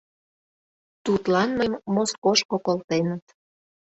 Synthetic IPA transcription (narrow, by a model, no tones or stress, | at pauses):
t̪ut̪lɑnməjmːoskoʃkokolt̪enət̪